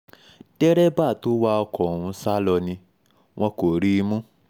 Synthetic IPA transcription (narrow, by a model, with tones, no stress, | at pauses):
d̥ɛ˦ɾɛ˦ba˦˨to˦wa˦ɔ˧kɔ̃˨ũ˧sa˦lɔ˧nĩ˧ | w̃ʔɔ̃˧ko˨ɾi˦˧mũ˦